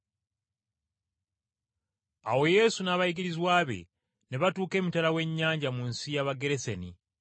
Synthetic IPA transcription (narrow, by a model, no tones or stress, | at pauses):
a̰wo̞je̞sunaːβajiɡiɾizwaːβe̞̰ | ne̞βatuːke̞ːmitalawe̞ɲːaːɲɟamunsijaβaɡeɾe̞seni